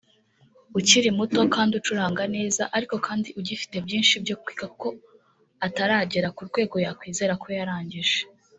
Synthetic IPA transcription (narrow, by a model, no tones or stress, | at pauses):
uciɾimuto̞kaːndiut͡ʃuɾaːŋɡane̞ːzaʔaɾiko̞kʰaːndiʔuɟifi̥te̞bjiːnʃibjo̞kwi̥ːɡako̞ | ataɾaːɟeɾakuɾɡwe̞ːɡo̞jakwiːze̞ɾakʰo̞jaɾaːɲɟiʒ̥e